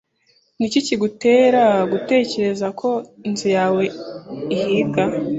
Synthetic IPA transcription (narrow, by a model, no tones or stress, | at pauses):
niciciɡute̞ːɾaɡute̞ːce̞ɾe̞zakʰo̞inzujaːwe̞ihiːɡa